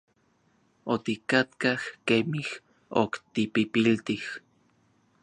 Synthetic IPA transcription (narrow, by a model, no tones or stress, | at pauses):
ot̪ikat̪kahkemih | o̰kt̪ipipilt̪ih